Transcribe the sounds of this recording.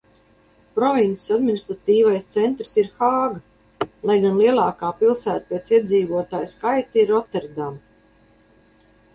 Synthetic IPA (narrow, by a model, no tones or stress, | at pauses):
pɾɔvint̪i̥sad̪minist̪ɾat̪iːvajst̪sɛnt̪ɾsiɾxaːɡa | lˠajɡanliɛlˠɑːkaːpilˠsæːt̪̚pɛt̪siɛd̪ziːvuɔt̪aːjskajt̪iɾɔt̪ɛɾd̪am